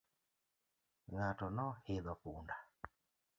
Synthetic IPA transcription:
ŋatɔnɔheðakunda

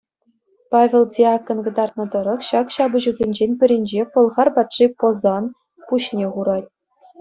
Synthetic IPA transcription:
pɑvʲĕlˠdʲiɑkɤ̆nkɤ̆d̪ɑrt̪̚nɤ̆d̪ɤ̆ɾɤ̆χɕɑkɕɑbɤ̆ʑuzʲenʲd͡ʑenʲpʲɘ̆ɾʲĕnʲd͡ʑepɤ̆lˠʁɑrbɑt̪ʂipozɑn | puɕnʲeχuɾɑtʲ

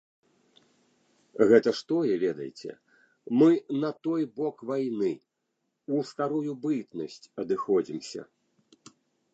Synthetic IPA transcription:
ɣɛt̪ɐʂt̪ɔjɛvʲɛd̪ɐ̰jt͡sʲɛ̰ | mɨnɐt̪ɔjbɔkvajnɨ | ust̪aɾujubɨt̪nɐsʲt͡sʲɐd̪ɨxɔd͡zʲimsʲɐ̰

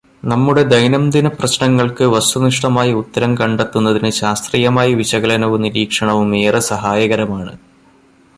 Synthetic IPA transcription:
nɐmːuɽe̞d̪ɐjnɐmd̪inɐprɐɕnɐŋːɐɭkɨʋɐst̪uniʂʈɐmaːjiut̪ːɐɾɐmkɐɳɖet̪ːunːɐðinɨɕaːst̪rijɐmaːjiʋiɕɐɣɐlɐnɐʋuniɾiːkʂɐɳɐʋumeːrɐsɐɦaːjɐɣɐɾɐmaːɳɨ̰

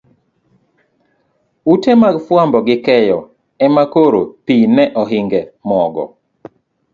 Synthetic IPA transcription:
utemaɡfwambɔɡɪkɛjɔ | ɛmakoɾopinɛʔɔɦiŋɡɛmɔɡɔ̰

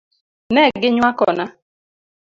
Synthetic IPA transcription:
nɛɡɪɲwakɔ̰na

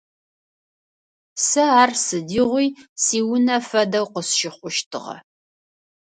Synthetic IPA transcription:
sɐaːrsɨdiʁʷijsiːwʊnɐfɐdɐwqəsʃɪχʷʊʃtʰɨʁɐ̰

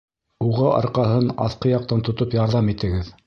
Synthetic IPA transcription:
uʁɑʔɑ̰ɾqɑɦɤnɑ̰θqɤjɑq̚t̪ɑnt̪ŏt̪opjɑɾðɑmit̪ɘ̆ɡɘð

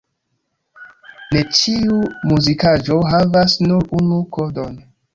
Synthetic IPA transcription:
ne̞t͡ʃiumuzikaʒoɦavasnuɾunukodon

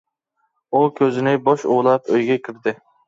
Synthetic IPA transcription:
ukʲʰøzɪnɪbɑʃṵlˠɑpøjɡʲɛkʲʰɪɾd̪ɪ

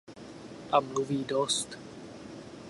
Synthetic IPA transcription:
ʔamluviːdost̪

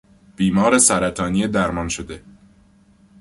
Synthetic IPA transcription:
b̥iːmɒːɾesæɾæt̪ʰɒːniːed̪æɾmɒnʃod̪e̞

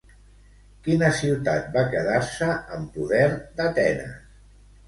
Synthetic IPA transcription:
kinəsiwt̪a̰t̪̚bakəðaɾsəəmpuðɛɾd̪ət̪ɛnə̰

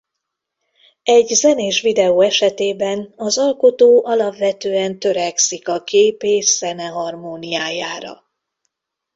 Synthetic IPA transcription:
ɛɟzɛneːʃʋid̪ɛoːɛʃɛt̪eːbɛnɒzɒlko̞t̪oːʔɒlɒbvɛt̪øːɛnt̪ø̞ɾɛksikɒkʰeːpeːʃz̥ɛnɛɦɒrmoːnijaːjaːɾɒ̰

